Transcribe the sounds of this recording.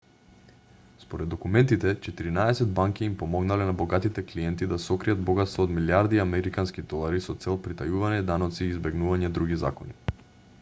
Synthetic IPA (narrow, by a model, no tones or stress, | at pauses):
spoɾɛd̪ːɔkumɛnt̪it̪ɛt͡ʃɛt̪iɾinaɛsɛd̪̚baŋkiːmpɔmɔɡnalɛnabɔɡat̪it̪ɛklijɛnt̪id̪asɔkɾijad̪̚bɔɡat̪st̪vɔːd̪miljaɾd̪iamɛɾikanskid̪ɔlˠaɾisɔt̪sɛlˠpɾit̪ajuvaɲɛd̪anɔt̪siːzbɛɡnuvaɲɛd̪ɾuɡiza̰kɔni